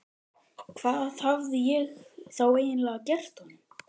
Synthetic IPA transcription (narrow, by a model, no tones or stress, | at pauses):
kʰv̥aːððhavðɪjɛɣθaweːjɪnlɛːɣacɛr̥t̪hɔnːɪm